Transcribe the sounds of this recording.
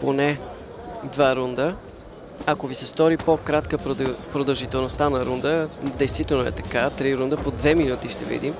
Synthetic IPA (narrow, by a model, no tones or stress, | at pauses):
ponɛ | d̪vaɾund̪ə | akovisɛst̪ɔɾipokɾat̪kəppɾod̪əlˠʒit̪ɛlˠnost̪anɐɾund̪əd̪ɛjst̪vit̪ɛlˠnoɛ̰t̪ɐ̥kat̪ɾiɾund̪əpod̪vɛminut̪iʃt̪ɛ̰vḭd̪im